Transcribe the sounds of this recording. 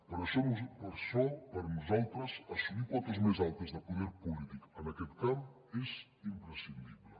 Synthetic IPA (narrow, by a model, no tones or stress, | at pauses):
pɐɾɔsomuzpɐɾsɔpɐɾnuzawt̪ɾɐsɐsumikwɔt̪ɐzmajzalt̪ɐzðɐpuðeɾpulit̪ikɐɐnɐket̪kaw | ɛz | impɾəsind̪iβle